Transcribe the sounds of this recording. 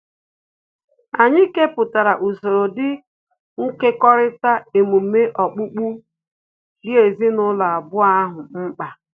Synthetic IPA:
a˨ɲɪ˦ke˦pʊ˨ta˨ɾa˨ʔu˨so˨ɾo˨dɪ˦ | ŋ̩˦ke˦kɔ˦ɾɪ˦ta˦e˨mu˨˦me˦ʔɔ˨k͡pu˦k͡pu˦ | dɪ˦e˨zi˦nʊ˦la˨a˨bʊ˦a˦ɦʊ˨ŋ͡m̩˦k͡pa˨

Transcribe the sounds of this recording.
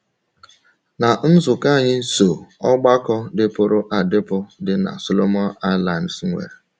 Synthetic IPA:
na˨n̩˦zʊ˨ka˦˨ɲɪ˦so˨ɔ˦ɡ͡ba˦kɔ˦dɪ˦pʊ˦ɾʊ˦ʔa˨dɪ˦pʊ˦dɪ˦na̰˨so˦lo˦mɔ˦na˦la˨n̩˨sŋʷḛ˨ɾe˨

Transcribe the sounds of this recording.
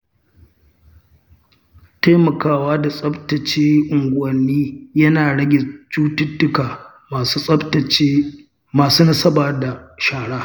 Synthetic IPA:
ta˦jmɐ˨kaː˦waː˦da˨sʼɐ˦btɐ˨t͡ʃeː˦ʔʊ˨ŋɡʷʊ˨ɐ˨nːiː˦jɐ˦naː˨ɽɐ˦ɡʲɪ˨t͡ʃuː˦tʊ˦tːʊ˦kaː˨˦ | ɐ˦ | maː˨suː˦nɐ˦sɐ˦baː˨da˨ʃaː˨ɽaː˦

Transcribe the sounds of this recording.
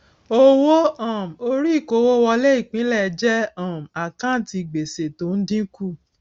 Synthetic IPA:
o˦wo˦ɔ̃˦˨m̩˨o˧ɾi˦˨ko˧˦wo˦wɔ˧lɛ˦i˦˨k͡pĩ˨˦lɛ˦˨˧d͡ʒɛ˦ã˨m̩˨a˨kã˦ti˧˨ɡ͡be˨se˨to˨˦n̩˦dĩ˦ku˦˨

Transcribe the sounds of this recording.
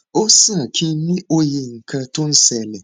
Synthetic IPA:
o˦sã˦˨kʰĩ˦n˦nĩ˦ʔo˦je˨ŋ̩˨kʰa˦tʊ̃˦n̩˦sɛ˨lɛ˨

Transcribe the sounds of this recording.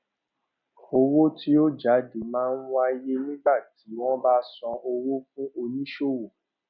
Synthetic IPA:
o˧wo˦ti˦o˦d͡ʒa˨˦de˨˦mãː˦n̩˦ũ˦a˧je˦nĩ˦ɡ͡ba˦˨ti˨˦w̃ɔ̃˦baː˦sɔ̃˧o˧wo˦fũ˦o˧nĩ˦ʃo˦˨wo˨

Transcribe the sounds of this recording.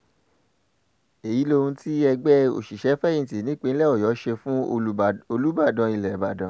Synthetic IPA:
e˨ji˨˦lo˧hũ˧ti˦ɛ˧ɡ͡bɛ˦o̰˨ʃi˨ʃɛ˨˦fɛ˦ĩ˦˧˨ti˨nĩ˨˦k͡pẽ˧˦lɛ˦˨ɔ˦˨jɔ˨˦ʃe˧fũ˦o˧lu˦ba˦˨dã˧i˧lɛ˨ba˨dã˨˦

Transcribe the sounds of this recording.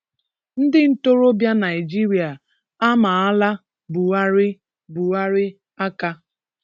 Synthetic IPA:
n̩˦dɪ˦n̩˦to˦ɾo˦bja˦na˨jɪ˨d͡ʒi˦ɾi˨a˨ | a˦ma˨a˦la˦ | bu˨wa˦ɾɪ˦ | bu˨wa˦ɾɪ˦ | a˦ka˦

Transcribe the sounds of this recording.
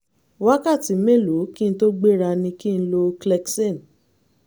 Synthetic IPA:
wa˦ka˦˨ti˨˦me˦˨lo˨˦ki˦n̩˦to˦ɡ͡be˦ɾa˧nĩ˧ki˦n̩˦lo˧klɛ˧kse˦˨n

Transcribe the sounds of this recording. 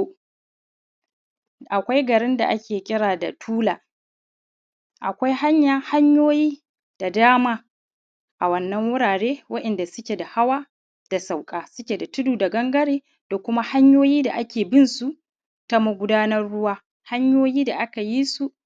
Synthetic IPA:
ʔa˨kʷa˦jɡɐ˨ɾɪ˦nda̰˨ʔa˦kʲeː˨kʲʼɪ˦ɽaː˨da˨tʰuː˦laː˨ | ʔa̰˨kʷa˦jha˦ɲjaː˨ha˦ɲjoː˦jiː˦ | d̥a˨daː˦maː˦ | ʔa˨wɐ˦nːɐ˦ŋwʊ˦ɽaː˨ɽeː˦wɐ˦ʔɛ˨nda˨sʊ˦kʲe˨da˨ha˦waː˦ | d̥a˨sa˨wkʼaː˨sʊ˦kʲe˨da˨tʊ˦duː˨da˨ɡɐ˦ŋɡɐ˦ɽeː˨ | d̥a˨kʷʊ˦ma˦ha˦ɲjoː˦jiː˦da˨ʔa˦kʲeː˨bɪ˦nsu˨ | ta˦mɐ˦ɡʷʊ˦daː˦nɐ˦rɽʊ˦waː˦ | ha˦ɲjoː˦jiː˦da˨ʔa˦ka˨jiː˦su˨ʔ

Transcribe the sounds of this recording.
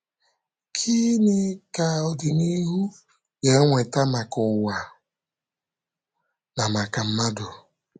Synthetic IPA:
kʰi˦nɪ˦ka˨ɔ˨dɪ˨ni˦ɦu˦ | je˨˦ŋʷe˨ta˦ma˨kʊ˨wa˨ | na˨ma˨ka˨m̩˦ma˦dʊ˨

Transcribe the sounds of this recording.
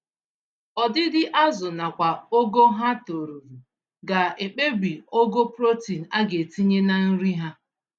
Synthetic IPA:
ɔ˨dɪ˦dɪ˦ʔa˦zʊ˨na˨kʷa˨o˦ɡo˦ɦa˦to˨ɾu˨ɾu˨ | ɡa˨e˨k͡pe˦bi˨o˦ɡo˦pɾo˦ti˨n̩˨a˦ɡe˨ti˦ɲe˦na˨n̩˦ɾi˦ɦa˦

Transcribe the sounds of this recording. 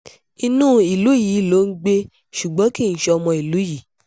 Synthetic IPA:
i˧nũː˦˨i˨lu˨˦ji˨˦lo˨˦n̩˦ɡ͡be˦ | ʃu˨ɡ͡bɔ̃˨˦ki˦˨n̩˨˦ʃe˧ɔ˧mɔ̃˧i˨lu˨˦ji˨˦

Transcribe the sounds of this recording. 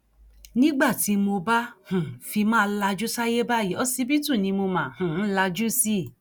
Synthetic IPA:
nĩ˦ɡ͡ba˦˨ti˨˧˦mo˧ba˦hũ˨fi˧mãː˦˧˦la˧d͡ʒu˦sa˦je˦ba˦˨ji˨ɔ˦si˦bi˦tũ˦˨nĩ˧mo˧mã˨hũ˨˦la˧d͡ʒu˦si˦˨

